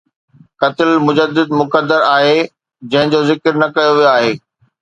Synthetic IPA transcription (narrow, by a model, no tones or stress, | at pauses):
kɐt̪ɪlmʊd͡ʑəd̪ːɪd̪mʊkəd̪ːəɾaːɦe | d͡ʑɐ̃ɦɪ̃d͡ʑozɪkɾnɐkɐjoʋijoaːɦeː